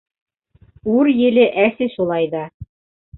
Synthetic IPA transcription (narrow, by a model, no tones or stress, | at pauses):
uɾjɘ̆lɘʔæsɘʃulˠɑjðɑ